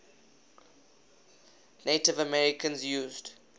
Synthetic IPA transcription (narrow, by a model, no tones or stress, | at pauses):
netɪvəmɛɹɪkʰə̃nzjuːzd